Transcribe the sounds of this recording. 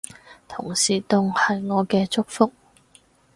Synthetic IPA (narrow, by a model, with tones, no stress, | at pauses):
t̪ʰʊ˨˩ŋsiː˨˩t̪ʊ˨ŋhɐ˨jŋɔː˨˧kɛː˧t͡sʊ˥k̚fʊ˥k̚